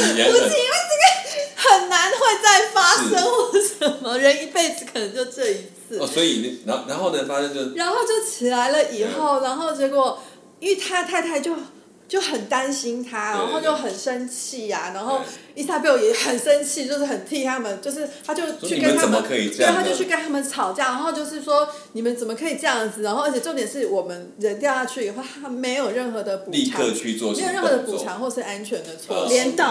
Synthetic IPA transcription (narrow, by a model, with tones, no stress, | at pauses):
u˧˥i˥˧˥we˥˧ʈ͡ʂə˥˩ɡə˨xə˨˩nna˧˦nxwe˥˧ɪt͡sa˥˩ɪfa˥ʂə˥ŋxwɔ˥˩ʂə˧˦nmə˦ɻə˧˦˥ni˧˥pe˥˩ɪd͡z̩˩kʰə˨˩nə˧˦ŋt͡ɕjo˥˧ʊʈ͡ʂɤ˥˩i˧˥t͡sʰɹ̩˥˩sɔ˧˦i˨a˧˦na˧˦nxo˥˩ʊd̪ə˨˧fa˥ʂə˥˧nt͡ɕo˥˧ʊɻa˧˦nxo˥˧ʊt͡ɕjo˥˩ʊt͡ɕʰi˨˩la˧˥ɪlə˨ʔi˨˩xo˥˩ʊɻa˧˥nxo˥˩ʊt͡ɕɥjɛ˧˥kwɔ˨˩ | y˥˩t̪ʰa˥t̪ʰa˥˧ɪt̪ʰa˥˧ɪt͡ɕjo˥˩ʊ | t͡ɕjo˥˩ʊxə˨˩nt̪a˦nɕi˥nt̪ʰa˥ɻaa˧˦nxo˥˧ʊt͡ɕjo˥˩ʊxə˨˩nʂə˦˥nt͡ɕʰi˥˩a˩na˧˥nxo˥˩ʊi˥˩sa˥˧pjɑ˥˩jɛ˨˩xə˨˩nʂə˦nt͡ɕʰi˥˧t͡ɕjo˥˧ʊʂɻ̩˥˩xə˨˩nt̪ʰi˥˧t̪ʰa˥˨mə˦nt͡ɕjo˥˧ʊʂ̬ɻ̩˥˩t̪ʰa˥t͡ɕjo˥˧ʊt͡ɕʰy˥ke˥t̪ʰaə˥˩ə˧kʰi˨˩˥a˥t͡ɕo˥˧ʊt͡ɕʰy˥˩ke˥ɪt̪ʰa˥mə˨nt͡sʰɑ˨˩ʊt͡ɕjɑ˥˩na˧˦˥xo˥˧ʊt͡ɕjo˥˧ʊʂɻ̩˥˩ʂwɔ˥ni˨˩mə˦nt͡sə˨˩mə˩kʰɤ˧˥i˨˩ʈ͡ʂɤ˥˧jɑ˥˩ŋd͡zɹ̩˨˩na˧˥nxo˥˩ə˧˥t͡ɕʰɛ˨˩ʈ͡ʂo˥˩ʊt̪jɛ˨˩nʂɻ̩˥˩wɔ˨˩mə˦nɻə˧˦nt̪jɑ˥˧ʊt̪ɑ˥˧˩t͡ɕʰy˥˩˨xo˥˩t̪ʰa˥me˧˥ɪjo˨˩ʊɻə˥˩nxɤ˧˦d̪ə˨pu˨i˥˧˨ɤ̰˥˧t͡ɕʰy˥˧t͡swɔ̰˥˧e˥jo˧˨˩ɻə˥˩˧xɤ˧d̪ə˧pu˨˩ʈ͡ʂʰɑ˧˥ŋxwɔ˥˩ə˨˩ʂɻ̩˥˩a˦˥nt͡ɕʰɥɛ˧˥nd̪ə˨t͡sʰwɔ̰˥˩ljɛ˧˦˥nt̪ɑ˥˨˩